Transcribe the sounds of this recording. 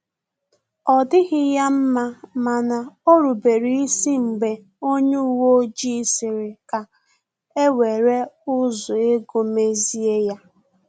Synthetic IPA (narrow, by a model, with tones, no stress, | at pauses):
ɔ˨dɪ˦ɣɪ˦ja˦m̩˦ma˦ma˨na˨o˦ɾu˨be˨ɾi˨i˦si˦m̩˨ɡ͡be˨ | o˦ɲe˦u˨wo˦d͡ʒi˦sɪ˨ɾɪ˨ka˨ | e˦we˨ɾe˦ʊ˦zʊ˨e˦ɡo˦me˦zi˦e˦ja˦